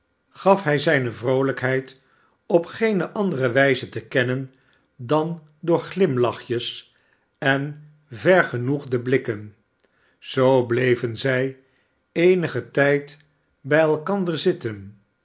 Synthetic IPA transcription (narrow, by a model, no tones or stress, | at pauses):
χɑfɦɛjzɛjnəvrowləkɦɛjt | ɔpχejnəʔɑndərəʋɛjzətəkɛnən | dɑn | dʊːɹχlɪmlɑχjəs | ɛn | vɛɹχənuχdəblɪkən | z̥owblejvənzɛj | ejnəχətɛjt | bɛjɛlˠkɑndəɹzɪtən